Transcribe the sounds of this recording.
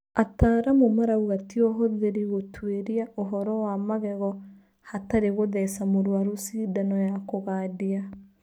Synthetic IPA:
ataːɾamomaɾauɣatiɔɦɔðeɾiɣotweɾiaʔoɦɔɾɔwamaɣɛɣɔ | hataɾeɣoðɛsamoɾwaɾosiːdanɔjakoɣaːdia

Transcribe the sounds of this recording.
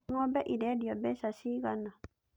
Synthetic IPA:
ŋɔbɛʔidɛdiɔbɛsaʃiɣana

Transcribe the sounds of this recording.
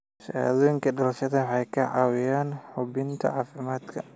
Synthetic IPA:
sa̰ðɔːjɪŋkʰɐɖɐlɐʃɐðɐwħɑjkʰɐʕɑ̰ːwɪjaːnħʊbɪnt̪ʰɐ̰ʕɑːfɪmaːd̪kʰɐ

